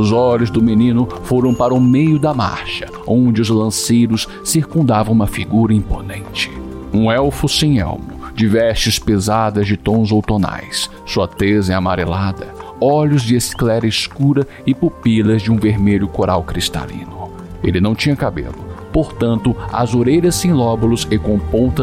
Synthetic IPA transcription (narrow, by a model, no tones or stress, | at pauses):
ʊzɔʎʊzd̪ʊmenĩnʊfoɾɐ̃w̃paɾɐʊmejʊd̪ɐma̰ɾʃɐ̥ | õd͡ʒɪʊzlɐ̃sejɾʊs | siɾkũnd̪avɐ̃w̃ũmɐfiɡuɾɐĩponẽnt͡ʃɪ̥ũɛwfʊsẽj̃ɛ̰wmʊd͡ʒɪvɛst͡ʃɪspezad̪ɐzd͡ʒɪt̪õzowt̪ona̰jsː | uɐt̪ezɪamaɾelad̪ɐɔʎʊzd͡ʒɪesklɛɾɐɪskuɾɐ | ɪpupilɐzd͡ʒɪũveɾmeʎʊkoɾawkɾist̪a̰lḭ̃nʊ | elɪnɐ̃w̃t͡ʃĩɲɐkabḛlʊpoɾt̪ɐ̃nt̪ʊɐ̰zoɾeʎɐsːẽj̃lɔbʊlʊsɪkõpõt̪ɐ